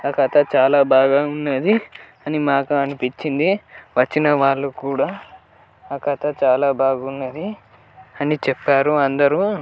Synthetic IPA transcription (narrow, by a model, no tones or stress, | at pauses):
ɐkɐt̪ɐt͡ʃaːlaːbaːɡaːunːɐd̪i | ɐnimaːkuɐnipit͡ʃːind̪iʋɐt͡ʃːinɐʋaːɭːukuːɽaː | ɐkɐt̪ɐt͡ʃaːlaːbaːɡunːɐd̪i | ɐnit͡ʃɛpːaːɾuɐnd̪ɐɾu